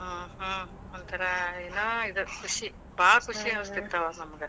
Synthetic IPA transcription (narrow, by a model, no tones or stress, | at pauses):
ɦãːɦɐ̃ | ɐnt̪ʰɐɾaeːnoːid̪ɐkʰuʂi | baːɭɐkuʂiɦɐʋɐst̪it̪ːɐʋaːnɐmɐɡɐ